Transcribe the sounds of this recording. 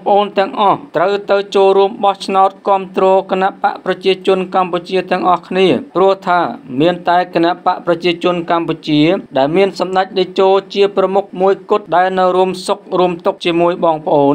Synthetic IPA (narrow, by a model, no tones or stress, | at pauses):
pə̆ʔoːnt̪ɛ̆əŋʔɑht̪rəwt̪ɨwt͡ɕoːlruəmɓɑht͡ɕʰnaɔt̪̚kŏəmt̪rɔːkenaʔpaʔprɑt͡ɕiət͡ɕʊ̆ənkamput͡ɕiət̪ɛ̆əŋʔɑhkʰniəprʊ̆əht̪ʰaːmiənt̪aɛkenaʔpaʔprɑt͡ɕiət͡ɕʊ̆ənkamput͡ɕiəɗaɛlmiənsɑmɗac̚ɗət͡ɕoːlt͡ɕiəprɑmuk̚muəjkʊ̆t̪̚ɗaɛlnɨwruəmsok̚ruəmt̪ʊk̚t͡ɕiəmuəjɓɑːŋpə̆ʔoːn